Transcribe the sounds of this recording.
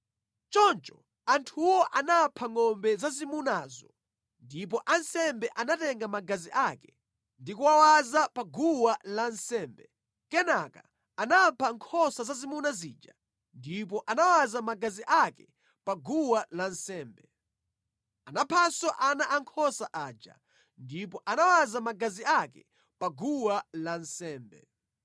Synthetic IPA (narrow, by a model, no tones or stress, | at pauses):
t͡ʃɔnt͡ʃɔ | antʰuwɔʔanapʰaŋɔmbɛzazimunazɔ | ndip̬ɔʔansɛmbɛʔanatɛŋɡamaɡaziʔaːkɛ̥ | ndikuwawazapaɡuwalansɛːmbɛ | kɛnaka | anapʰaŋkʰɔsazazimunaziːd͡ʒa | ndip̬ɔʔanawazamaɡaziʔakɛ | paɡuwalansɛːmbɛ | anapʰasɔʔanaʔaŋkʰɔsaʔaːd͡ʒa̰ | ndipɔʔanawazamaɡaziakɛ | paɡuwalansɛːmbɛ̰